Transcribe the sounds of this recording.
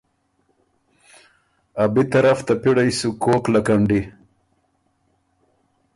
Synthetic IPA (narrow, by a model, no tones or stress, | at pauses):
abit̪ɐɾaft̪apiɽajsukoːklakaɳɖi